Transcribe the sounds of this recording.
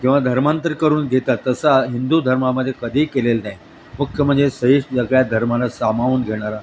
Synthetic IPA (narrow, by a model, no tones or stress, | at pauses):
kĩw̃ʋad̪ʱəɾmant̪əɾkəɾuːnɡʱet̪at̪ːəsaɦind̪ud̪ʱəɾmaməd̪ʱjekəd̪ʱiːkelelnaj | mukʰjəmənd͡zesəɦiʂʈd͡zəɡɭjad̪ʱəɾmalasamaʋuːnɡʱeɽ̃aɾa